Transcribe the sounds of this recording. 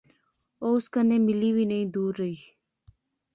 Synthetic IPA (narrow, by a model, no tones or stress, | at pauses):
owskanemiliwinejd̪uːɾəj